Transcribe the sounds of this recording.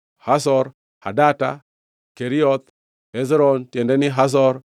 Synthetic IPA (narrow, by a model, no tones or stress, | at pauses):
hasɔɾ | ha̰data̰ | keɾiɔt̪ | ɛzɾɔntjɛndɛnɪɦas̬ɔɾ